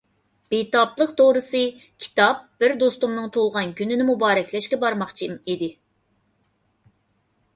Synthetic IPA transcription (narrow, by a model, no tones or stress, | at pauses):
b̥it̪ɑblˠəqt̪ʰoɾɨsɨ | kʲʰi̥t̪ɑp̚bɪɾd̪ost̪umnɨŋt̪ʰolˠʁɑnɡʲynɪnɪmubɑːɾɛkʲlɛʃkʲɛbɑɾmɑχt͡ʃʰimid̪ɪ